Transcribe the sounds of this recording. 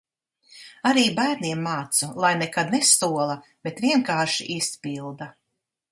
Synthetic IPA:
aɾiːbæːɾniɛmːaːt̪sulˠajnɛkad̪nɛsuɔlˠɐ | b̥et̪vʲiɛŋkaːɾʃiʔispilˠd̪a

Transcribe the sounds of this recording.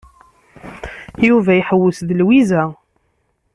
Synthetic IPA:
juvæjħəwːʊsðəlwizæ

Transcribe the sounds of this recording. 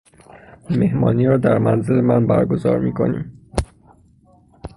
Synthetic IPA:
me̞hmɒ̰ːniːɾɒːd̪æɾmænzelemænbæ̰ɾɡo̞zɒ̰ːɾmiːkʰo̞̰nḭːm

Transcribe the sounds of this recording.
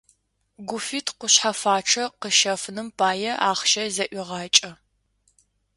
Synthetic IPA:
ɡʷʊfiːtʰqʷʊɕħafaːʈ͡ʂʰɐqəʃɐfnɨmpʰaːjɛʔaːχʃɐzɐʔʷiʁɑːt͡ʃʼɐ

